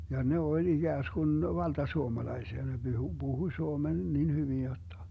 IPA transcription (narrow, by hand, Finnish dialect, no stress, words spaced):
jɑ ne olʲ iɡ̊æːsɡ̊un ʋɑltɑsuomɑlɑisiɑ ne b̥yhu b̥uhuĭ suomen nin hyʋin jotːɑ